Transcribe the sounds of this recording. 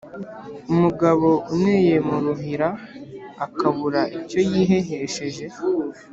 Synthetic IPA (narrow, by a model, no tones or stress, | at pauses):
umuɡaβo̞ʔuneje̞muɾuɦiɾaː | kaβuɾaʔico̞jiːɦe̞ɦeʃe̞ʒe̞